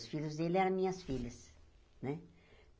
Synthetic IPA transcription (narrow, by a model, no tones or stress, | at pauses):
sfilʲuzd̪elɛɾɐ̃mĩɲɐsfilɐs | nɛ